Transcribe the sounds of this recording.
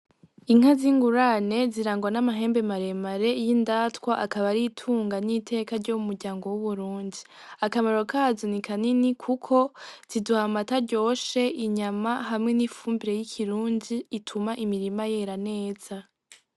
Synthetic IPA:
iŋ̥aziŋɡuɾane̞ziɾaːŋɡwanamaɦe̞ːmbe̞maɾe̞maɾe̞jindaːtkwaʔakaβaɾitʰuːŋɡanitʰe̞ːkaɾɟomumuɾɟaːŋɡo̞wuβuɾuːndi | akamaɾo̞kʰaːzonikʰaninikʰukʰo̞z̥iduhamataɾɟo̞ːʃe̞ʔiɲamahamŋe̞nifuːmbiɾe̞jikʰiɾuːndiːtʰumaʔimiɾimaje̞ɾane̞ːz̥a

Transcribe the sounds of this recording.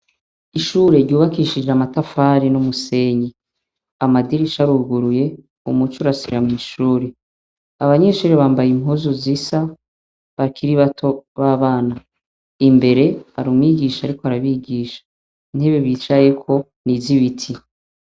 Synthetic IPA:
iʃuːɾe̞ɾɟuːβakiːʃid͡ʒeamatafaːɾinumuse̞ːɲi | amadiɾiʃaɾuɾɡuɾuje̞ | ṵmut͡ʃuɾasiɾamiːʃuːɾe | aβaɲe̞ʃuːɾeβaːmbajim̥huzuzisa | βakʰiɾiβatʰo̞βaːβaːna | imbe̞ɾe̞a̰ɾuːmwiɡiːʃaːɾikoaɾaβiɡiːʃḁ | n̥eβjoβiːt͡ʃaje̞kʰo̞ | niziβitʰi

